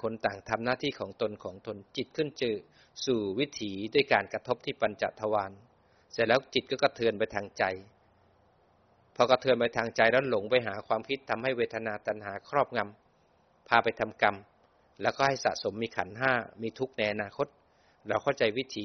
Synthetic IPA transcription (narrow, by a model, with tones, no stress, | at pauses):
kʰo˧nt̪aː˨˩ŋt̪ʰa˧mnaː˥˩t̪ʰiː˥˩kʰɔː˩˦ŋt̪o˧nkʰɔː˩˦ŋt̪o˧nt͡ɕi˨˩t̪̚kʰɯ˥˩nt͡ɕɤː˧˩ | suː˨˩wi˦˥t̪ʰiː˩˦du˥˩əjkaː˧nka˧t̪ʰo˦˥p̚t̪ʰiː˥˩pa˧nt͡ɕa̰˨˩ʔt̪ʰa˧waː˧n | sɛ˧˩lɛː˦˥wt͡ɕi˨˩t̪̚kɔː˥˩ka˥˩t̪ʰɯː˧npa˧jt̪ʰaː˧ŋt͡ɕa˧j | pʰɔ˧ka˧˩t̪ʰɯː˧npa˧jt̪ʰaː˧ŋt͡ɕa˧jɾɛː˦˥lo˩˦ŋpa˧jɦaː˩˦kʰwaː˧mkʰi˦˥t̪ʰːa˧mha˥˩jweː˦˧˥t̪ʰa˧naː˧t̪a˧nɦaː˩˦kʰɾɔː˥˩p̚ŋa˧m | pʰaː˧pa˧jt̪ʰa˧mka˧m | lɛː˦˥wkɔː˥˩a˥˩jsa̰˨ʔso˩˦mːiː˧kʰa̰˩˦nɦaː˥˩miː˧t̪ʰu˦˥k̚na˧jʔa˧naː˧kʰo˦˥t̪̚ | ɾɛː˧˥wkʰa˥˩wt͡ɕa˧jwi˦˥t̪ʰiː˨˦